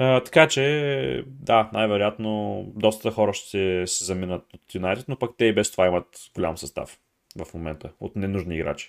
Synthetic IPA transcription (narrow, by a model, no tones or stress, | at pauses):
ət̪ɐ̥kat͡ʃɛ | d̪anajvɛɾojat̪nod̪ɔst̪t̪əxɔɾəʃt̪ɛsɛzɐminət̪ot̪junajt̪ɛt̪nopɐkt̪ɛibɛst̪ovaimət̪ɡolʲa̰msɐst̪a̰f | vɐfmomɛ̰nt̪ʰəo̰t̪nɛnuʒniːɡɾa̰t͡ʃi̥